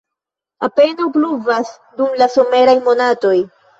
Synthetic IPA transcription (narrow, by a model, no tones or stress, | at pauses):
ape̞nawpluvas | dumlaso̞me̞ɾajmo̞nato̞j